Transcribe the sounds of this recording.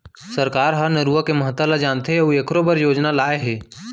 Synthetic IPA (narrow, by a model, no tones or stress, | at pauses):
səɾkaːɾɦəɾnəɾuːəkeməɦət̪ːalad͡ʒaːnt̪eɦɛuekɾobəɾjoːd͡ʒnalaːeɦɛː